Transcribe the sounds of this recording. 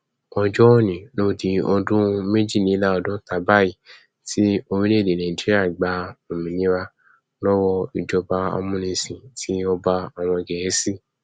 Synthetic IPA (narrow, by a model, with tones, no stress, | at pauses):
ɔ˧d͡ʒɔ˦nĩ˨lo˦˨di˧ɔ˧dũ˦me˦d͡ʒi˦˨nĩ˨˦la˦ɔ˧dɔ̃˦ta˨˦ba˦˨i˦˨ | ti˦o˧ɾĩ˦le˦˨de˨le˨i˨d͡ʒi˦a˦˨ɡ͡ba˧o˨mĩ˨nĩ˨˦wa˧ | lɔ˦wɔ˧i˧˨d͡ʒɔ˧ba˧a̰˧mũ˧nĩ˧sĩ˨tʰi˦ɔ˧ba˧a˨w̃ɔ̃˧ɡɛ˨je˨˦si˦